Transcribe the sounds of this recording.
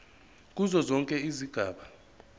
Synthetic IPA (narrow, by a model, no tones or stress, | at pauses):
k̬ʼuzɔzɔŋkʼɛiziɡ̥ʱaːɓa